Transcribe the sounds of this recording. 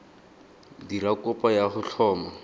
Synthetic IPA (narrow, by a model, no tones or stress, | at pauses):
diɾakʼʊpʼajaχʊɬʰɔːma